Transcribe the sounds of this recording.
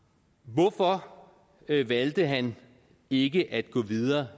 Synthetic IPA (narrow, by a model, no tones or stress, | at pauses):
ʋɔfɒ | ʋæld̥əɦæn | e̝ɡ̥əʔæd̥ɡ̥ɔ̰̽ːʋiðˠɐː